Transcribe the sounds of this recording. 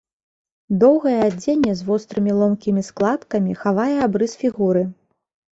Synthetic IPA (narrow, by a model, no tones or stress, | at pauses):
d̪ɔwɣɐjɛad͡zʲenʲːɛzvɔst̪ɾɨmʲilˠɔmkʲimʲisklˠat̪kɐmʲixavajɛabɾɨsfʲiɣuɾɨ